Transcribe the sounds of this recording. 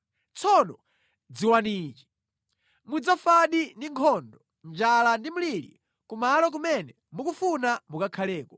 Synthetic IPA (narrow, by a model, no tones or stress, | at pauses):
t͡sʰɔnɔ | d͡ziwaniːt͡ʃi | mud͡zafaɗindiŋkʰɔndɔ | nd͡ʒalandimulilḭ | kumalɔk̬umɛnɛ | mukufunamukakʰalɛːkɔ̥